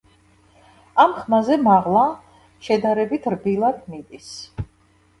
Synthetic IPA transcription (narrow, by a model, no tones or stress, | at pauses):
amχmazɛmaʁlˠa | ʃɛd̪aɾɛbit̪ʰɾbilˠad̪mid̪is